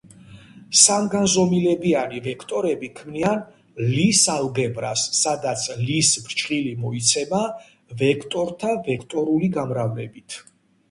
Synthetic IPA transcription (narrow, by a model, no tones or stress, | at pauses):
samɡanzɔmilɛbianivɛkʰt̪ʼɔɾɛbikʰmnian | lisalɡɛmɾasːad̪at̪sʰlisbɾt͡ʃʼχʼilimɔit̪sʰɛma | vɛkʰt̪ʼɔɾt̪ʰavɛkʰt̪ʼɔɾuliɡamɾavnɛbit̪ʰ